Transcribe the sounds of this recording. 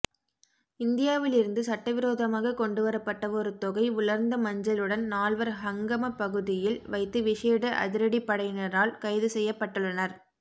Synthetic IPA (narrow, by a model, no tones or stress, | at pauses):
ɪnd̪ɪjaːʋɪlɪɾɯnd̪ɯsɐʈːɐʋɪɾoːðɐmaːɣɐkɔɳɖɯʋɐɾɐpːɐʈːɐɔɾɯt̪ɔɣɐɪʊlɐɾnd̪ɐmɐɲd͡ʒɐlɯɽɐnnaːlʋɐɾɦɐŋɡɐmɐpɐɣɯðɪjɪlʋɐɪt̪ːɯʋɪʂeːɽɐʔɐ̰ðɪɾɐɽipːɐɽɐɪjnɐɾaːlkɐɪðɯsɛjːɐpːɐʈːɯɭːɐnɐɾ